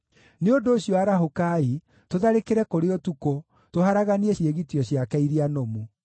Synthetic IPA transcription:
neondoːɕjɔaɾaɦokai | toðaɾekeɾɛkoɾeotuko | toɦaɾaɣaniɛɕieɣitiɔɕjakɛiɾianomu

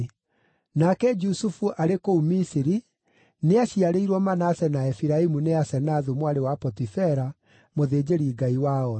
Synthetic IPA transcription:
nakɛd͡ʒusufuʔaɾekoumisiɾi | neaɕiaɾeiɾwɔmanasɛnaɛfiɾaimuneasɛnaðumwaɾewapɔtifɛɾa | moðeːd͡ʑeɾiɡaiwaɔ

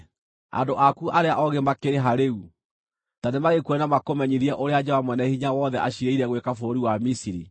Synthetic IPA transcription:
a̰ndoʔakuʔaɾeaʔɔɣemakeɾeɦaɾeu | tanemaɣekuɛnamakomɛɲiðiɛʔoɾead͡ʒɛwamwɛnɛhiɲawɔðɛʔaɕiɾeiɾɛɣwekafoɾiwamisiɾi

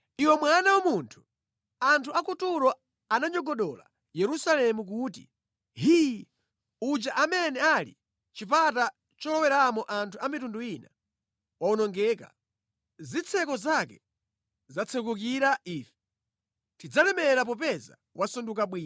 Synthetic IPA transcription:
iwɛmwanawamuntʰu̥ | antʰuakutuɾɔ | anaɲɔɡɔɗɔla̰ | jɛɾusalɛmuk̬uːtḭ | ɦij | ud͡ʒaʔamɛnɛalḭ | t͡ʃipata | t͡ʃɔlɔwɛɾamɔʔantʰuamitunduina | waɔnɔŋɡɛːka̰ | zit͡sʰɛkɔzakɛ | zat͡sʰɛkuk̬iɾaiːfɛ̥ | tid͡zanɛmɛɾap̬ɔpɛza̰ | wʔasundukaɓwiːn

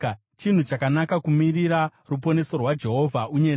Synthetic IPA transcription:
t͡ʃin̤ut͡ʃakanakakumiriɾarup̬o̞ne̞so̞rwad͡ʒe̞ɦo̞vʱauɲeɾ

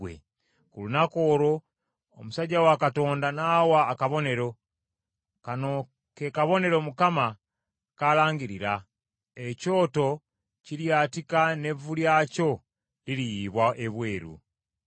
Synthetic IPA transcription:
wḛ | kulunako̞ːɾo̞ː | musaɟawakato̞ːndanawaːkaβo̞ne̞ɾo̞ | kano̞ | kekaβo̞ne̞ɾomukama | kalaːŋɡiɾiɾa | eco̞ːto̞ | ciljaːtikane̞vuljaco̞ | liɾijiβwaʔeβwe̞ːɾṵ

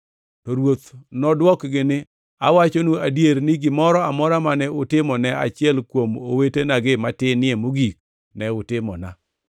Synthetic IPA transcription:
tɔɾwot̪nɔdwɔkɡɪnɪ | awat͡ʃonuadjeɾnɪɡɪmɔɾɔamɔɾamanɛʊtɪmɔnɛa̰t͡ʃɪɛlkwomowetenaɡɪmatɪnɪemoɡik̚ | nɛʊtɪmɔ̰na

